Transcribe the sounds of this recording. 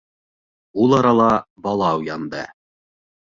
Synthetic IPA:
ulˠɑɾɑlˠɑbɑlˠɑwjɑnd̪ɤ̰

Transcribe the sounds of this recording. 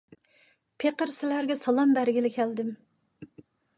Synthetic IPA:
pʰeqəɾsɪlæɾɡʲɛsɑlˠɑmbæɾɡʲɪlɪkʲʰæld̪ɪm

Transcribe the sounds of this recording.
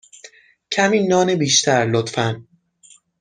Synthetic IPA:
cʰæmiːnɒːnebiːʃt̪ʰæɾlot̪fæn

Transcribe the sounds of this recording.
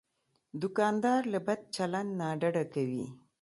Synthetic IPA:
d̪ʊkɑnd̪ɑɾlabad̪̚t͡ʃaland̪naɖaɖakawḭ

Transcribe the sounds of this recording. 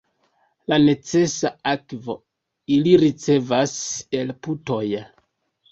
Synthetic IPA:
lane̞t͡se̞saakvo̞̰ | iliɾit͡se̞vase̞lputo̞j

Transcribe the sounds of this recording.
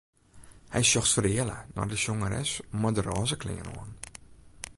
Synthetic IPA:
hɛjsjɔxtfərɪələ̰nɔ̰rdəsjoŋəɾɛ̰smadərɔːzəklɪ̰ŋə̰no̰ən

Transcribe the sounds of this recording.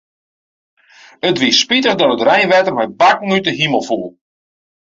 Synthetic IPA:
ətʋispitəχdɔtətrɛjnʋɛtərmɛjbakŋ̩ytəɦiməlˠfulˠ

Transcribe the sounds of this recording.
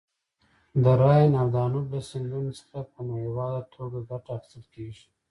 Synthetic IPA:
d̪əɾɑjnawd̪ɑnubləsɪnd̪unosə̥xapənahewɑd̪at̪ʰoɡaɡaʈaaxɪ̥st̪əlkeʒi̥

